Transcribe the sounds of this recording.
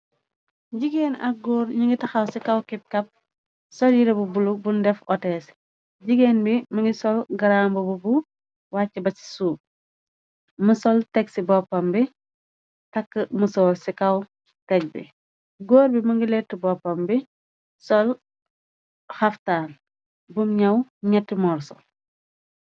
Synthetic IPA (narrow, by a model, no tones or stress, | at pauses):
ɟiɡeːnɐk̚ɡɔːɾɲuŋɡitɐxɐwsikɐwkip̚kɐp̚ | sɔljiɾɛbubulubundɛfɔtɛːs | ɟiɡɛnbimɐŋɡisɔlɡɐɾambububu | waːcːɛbɐsi̥suː | musɔltɛksibɔpːɐmbi | tɐkːəmusɔːlsikɐw | tɛk̚bḭ | ɡɔːɾbimɐŋɡilɛtːəbɔpːɐmbi | sɔl | hɐftaːl | bumɲɐwɲɐtːimɔːrsɔ